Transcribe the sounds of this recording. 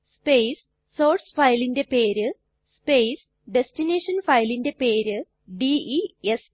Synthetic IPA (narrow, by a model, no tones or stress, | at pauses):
spejsː | oːɾsfɐjlinde̞peːɾɨ | spejs | ɖestineːʂɐnfɐjlinde̞peːɾɨ | ɖiies